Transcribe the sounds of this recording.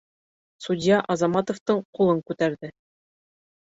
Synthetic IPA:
sud̪ʲjɑʔɑzɑmɑt̪ŏft̪ɤɴqulˠɤŋkʉt̪æɾðɘ

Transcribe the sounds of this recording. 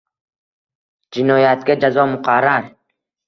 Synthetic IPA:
d͡ʒɪnɒjat̪̚ɡʲad͡ʒazɒmʊqʰɑɾːaɾ

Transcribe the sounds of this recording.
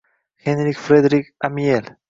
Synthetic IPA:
xẽnɾikfɾed̪ɾikamiel

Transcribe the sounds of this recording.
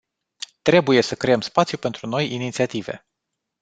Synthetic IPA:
t̪ɾe̞buje̞səkɾe̞əmspat̪sijupe̞nt̪ɾuno̞jinit̪siat̪ive̞̰

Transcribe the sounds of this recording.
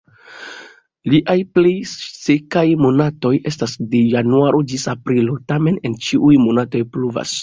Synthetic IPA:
liʔajplejsekajmo̞nato̞je̞stasdejanuaɾʔod͡ʒisapɾilo̞tame̞ne̞nt͡ʃiʔujmo̞nato̞jpluva̰s

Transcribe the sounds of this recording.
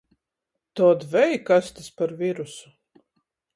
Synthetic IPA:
t̪ɔːd̪vɛjkast̪aspaɾvʲiɾusu̥

